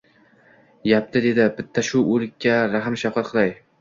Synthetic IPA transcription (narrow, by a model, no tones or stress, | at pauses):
jap̚t̪ʰɪd̪e̞d̪ɪbɪt̪ʰːaʃʊʔɵlɪkʲʰːaɾaɦɪmʃafqɑt̪̚qʰɨlˠaj